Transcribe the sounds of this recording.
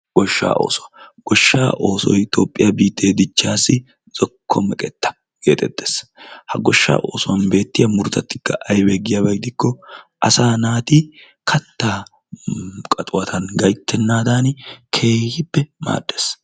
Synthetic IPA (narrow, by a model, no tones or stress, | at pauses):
ɡ̥ɔʃːa̰ːʔo̞̰ːsɔwɐɡ̥ɔʃːa̰ːʔo̞ːsɔ̰jt̪o̞ːpʼːɪjabiːt̪ːe̞ːd̪ɪt͡ʃːaːsːɪ | z̥ɔkʰːɔmɛkʼɛt̪ːɐ̥ | ɡ̥e̞ːt̪ʼɛt̪ːe̥ːshɐɡɔʃːa̰ːʔo̞ːsɔwɐnbe̞ːt̪ːɪjɐmʊɾʊt̪ɐt̪ːɪ̥kːɐʔɐjbeːɡɪjabɐjd̪ɪkːɔʔɐsaːnaːt̪i | kʰɐt̪ːaː | kʼɐt̪ʼʊwɐt̪ʰɐnɡɐjt̪ʰːɛnːaːd̪aːnkʰe̞ːhɪbːɛma̰ːdːe̞ːs